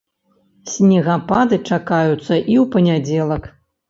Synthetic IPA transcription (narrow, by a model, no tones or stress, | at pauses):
sʲnʲɛɣapad̪ɨt͡ʂakajut̪sːɐʔiwpɐnʲad͡zʲɛlˠɐk